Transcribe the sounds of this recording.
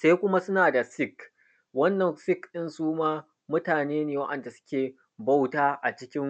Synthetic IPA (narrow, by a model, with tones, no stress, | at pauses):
sa˦jkʷʊ˦ma˦sʊ˦naː˨da˨sɪ˦k | wɐ˦nːɐ˨ŋsɪ˦kɗɪ˦nsuː˦maː˦ | mʊ˦taː˨neː˦neː˨wɐ̰˦ʔɐ˨nda˨sʊ̥˦kʲeː˨ | bɐ˦wtaː˦ʔa˨t͡ʃɪ˦kʲɪ˦ŋ